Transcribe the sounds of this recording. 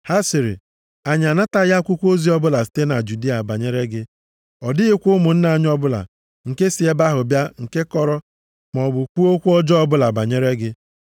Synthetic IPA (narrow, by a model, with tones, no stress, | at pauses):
ha˦si˨ɾḭ˨ | a˨ɲ˨a˨na˦ta˦ja˦kʷʊ˦kʷo˦zi˦ɔ˦bʊ˦la˨si̥˨te˦na˨d͡ʒu˨di˦a˨ba˨ɲe˦ɾe˦ɡɪ˦ | ɔ˨dɪ˦ɪ˦kʷʊ˦mʊ˨n̩˦na˨˦ɲ˦ɔ˦bʊ˦la̰˨ | ŋ̩˨ke˦si˨e˦ba˦ɦʊ˨bja˦ŋ̩˨ke˦kɔ˦ɾɔ˦ | m˨ɔ˨bʊ˨kʷu˦o˦kʷu˦ɔ˦d͡ʒɔ˦ɔ˦bʊ˦la˨ba˨ɲe˦ɾe˦ɡɪ˦